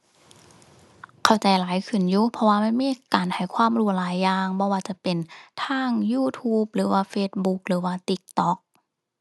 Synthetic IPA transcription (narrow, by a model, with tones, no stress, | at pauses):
kʰa˧˩wt͡ɕa˨jlaː˨˦jkʰɯ˧˩˨njuː˧˥pʰɔ˧waː˧ma˧˥˨nmiː˧˥kaː˨˩nha˧˨˩jkʰwaː˧˥˨mɾu˧˩əlaː˨˦jːaː˧ŋbɔː˧waː˧t͡ɕa˨˧˩pe˨nt̪ʰaː˧˥˩ŋjuː˧˥˩t̪ʰuː˧˥p̚ɾɯː˨˩˦waː˧feː˧˥t̪̚bu˧˦k̚ɾɯː˨˦waː˧˩t̪i˧˦˩k̚t̪ɔː˧˩k̚